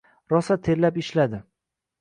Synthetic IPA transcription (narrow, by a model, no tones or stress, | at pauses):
ɾɒsat̪ʰe̞ɾlapɪʃlad̪ɪ